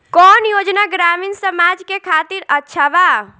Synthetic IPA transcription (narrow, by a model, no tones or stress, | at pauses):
kɔːnjod͡ʒnaɡɾaminsəmad͡ʒkekʰat̪iɾətːʃʰaba